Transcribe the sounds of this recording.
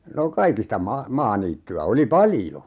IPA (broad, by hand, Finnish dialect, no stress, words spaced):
no kɑikistɑ mɑ mɑːniːtːyæ oli pɑljo